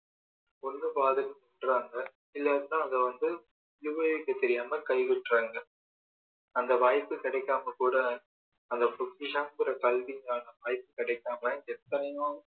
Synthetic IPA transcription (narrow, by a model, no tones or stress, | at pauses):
ɔnːɯpaːðɯnɯʊɳɖraːŋɡɐ | ɪlːɐðɯt̪ãːɐðɐʋɐnd̪ɯ | ʊjɯʋeːʋɪkːɯt̪ːɛɾɪjaːmɐkɐɪɣɪʈːraːŋɡɐ | ɐnd̪ɐʋaːjpːɯkɪɽɐɪkːaːmɐkuːɽɐ | ɐnd̪ɐpʊkːɪʂɐmpɯɾɐkɐlʋɪŋɡaːnɐʋaːjpːɯkɪɽɐɪkːaːmɐɛt̪ːɐnɐjʊ̃